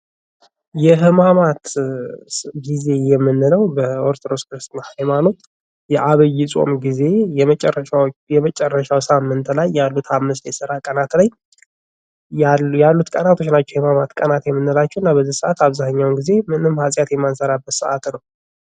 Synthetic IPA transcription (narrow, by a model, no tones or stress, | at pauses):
jɛɦɨmamat̪ | ɡize̞jɛmːɨnːɨləwbəoɾt̪ʰoɾoskɾɨst̪nahajmano̞t̪ | jɛʔaβəjːɪsʼo̞̰mɡize̞jɛmət͡ʃʼɛrəajɛmət͡ʃʼɛrːəʃawsamːɨnt̪lajːalːut̪hamːɨstajsɨɾakʼənat̪laj | jalːut̪kʼənat̪ʰo̞t͡ʃːnat͡ʃːɛwhhɨmamat̪kʼənat̪jɛmːɨnːɨlat͡ʃːɛhɨnːabəzihsəʔat̪aβzaɲːawnɡize̞mɨnɨmːhasʼjat̪jɛmːansəɾabːət̪səʔat̪nəw